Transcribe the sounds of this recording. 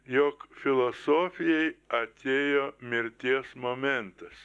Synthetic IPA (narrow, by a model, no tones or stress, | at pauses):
joːkfʲɪlˠosoːfʲɪjɛɪɐt̪ʲeːjoːmʲɪɾʲt̪ʲiɛsmoːmʲɛnt̪ɐs